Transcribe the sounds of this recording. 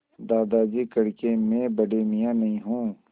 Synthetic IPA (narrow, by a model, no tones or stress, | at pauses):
d̪aːd̪aːd͡ʒiːkɐɽkemẽbəɖeːmijãnɐɦĩɦũː